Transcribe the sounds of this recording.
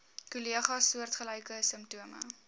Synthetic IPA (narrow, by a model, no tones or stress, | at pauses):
kuliəχɑsːuərtχəlɐjkəsəmptuəmə̰